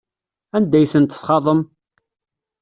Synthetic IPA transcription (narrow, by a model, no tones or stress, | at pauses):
ænd̪æjθənt̪əsχɑðˤəm